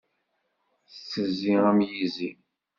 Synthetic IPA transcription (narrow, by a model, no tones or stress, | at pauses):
θət͡sːəziʁæmjizi